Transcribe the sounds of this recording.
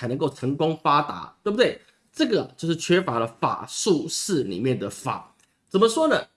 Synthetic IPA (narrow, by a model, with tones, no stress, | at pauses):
a˧˥ɪnə˧˦ŋko˥˩ʊʈ͡ʂʰə˧˥ŋkʊ˦ŋfa˥t̪a̰˧˥˦t̪we˥˩bu˩d̪we˥˩ɪ | ʈ͡ʂɤ˥˩ɡə˩˨t͡ɕjo˥˧ʊʂɻ̩˥˩t͡ɕʰɥɛ˥fa˧˥lə˧fa̰˨˩ʂu˥˧ʂɻ̩˥˩lḭ˨˩mjɛ˥˨nd̪ə˩fa̰˨˩˦ | t͡sə˨˩mə˨ʂwɔ˥nə˨